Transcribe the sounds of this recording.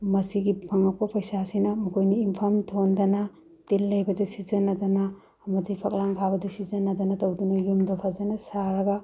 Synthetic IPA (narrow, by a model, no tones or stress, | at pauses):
mɐsiɡipʰɐŋɐk̚pɐpɐjsasinɐmukʰojniːmpʰɐmtʰondɐnɐ | telːɐjbɐdɐsizɐnːɐdɐnɐː | mɐzijpʰɐk̚laŋkʰabɐdɐsizɐnːɐd̪ɐnɐtowdunɐjumdopʰazɐnɐsaɾɐɡɐ